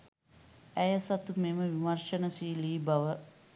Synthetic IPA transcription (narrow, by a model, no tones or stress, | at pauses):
æjəsɐt̪umeməʋimɐɾʃənəsiːliːbɐʋə